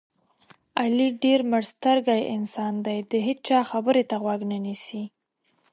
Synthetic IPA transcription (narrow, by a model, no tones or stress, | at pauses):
aliɖeɾməɽst̪əɾɡajɪnsɑnd̪ajd̪əɦet͡st͡ʃɑxabəɾet̪aɣwaɡnanisi